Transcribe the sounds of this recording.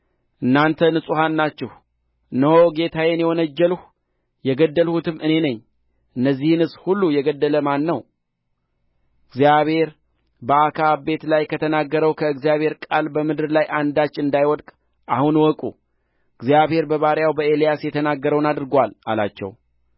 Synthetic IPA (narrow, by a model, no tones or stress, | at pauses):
ʔɨnːant̪ʰənɨsʼuɦanːat͡ʃːɛh | ɨnːəhoɡe̞t̪ʰajenjɛwɔnəd͡ʒːɛlh | jɛɡəd̪ːəlhut̪ʰɨmɨne̞nəɲː | ʔɨnːəzːihnɨsʼhulːujɛɡəd̪ːələmanːəw | ɨɡzijaβhe̞ɾ | bəakʰabe̞t̪lajkʰət̪ʰənaɡːəɾəwkʰəɨɡzijaβhe̞ɾkʼalbəmɨd̪ɨɾlajʔand̪at͡ʃːɨnd̪ajwɔd̪kʼ | ʔahunwɔkʼu | ɨɡzijaβhe̞ɾbəβaɾjawbəelijasjɛt̪ʰənaɡːəɾəwnad̪ɾɨɡʷala̰la̰t͡ʃːɛ̰w